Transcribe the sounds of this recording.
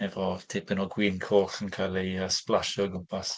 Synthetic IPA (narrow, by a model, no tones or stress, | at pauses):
ɛvɔtʰɪpʰənɔɡwiːnkʰoːχənkʰalˠiəsplˠaʃɔɡʊmpʰas